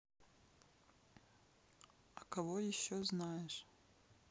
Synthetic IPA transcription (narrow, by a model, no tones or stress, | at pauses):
akʰavojiʃːoznajeʂ